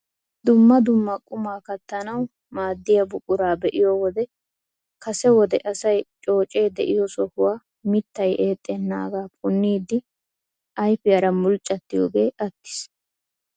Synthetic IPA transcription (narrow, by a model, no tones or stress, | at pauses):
d̪̥ʊmːɐd̪ʊmːɐkʼʊmaːkɐt̪ːɐnɐw | maːd̪ːɪjɐbʊkʼːʊɾaːbɛʔɪjɔwɔd̪ɛ | kɐsɛwɔd̪ɛʔɐsɐjt͡ʃʼo̞ːt͡ʃʼe̞ːd̪ɛʔɪjɔsɔhʊwaː | mɪt̪ːɐjeːt̪ʼːɛnːa̰ːɡaːpʰʼʊnːiːd̪ːɪ | ʔɐjfɪjɐɾɐmʊlt͡ʃʼːɐt̪ːɪjo̰ːɡe̞ːʔɐt̪ːɪ̥s